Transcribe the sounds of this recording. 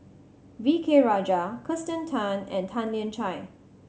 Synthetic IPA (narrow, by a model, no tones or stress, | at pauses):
vikʰeɹad͡ʒakʰɹɪstə̃ntʰãnɛ̰̃ntʰãnliə̃nt͡ʃʰaɪ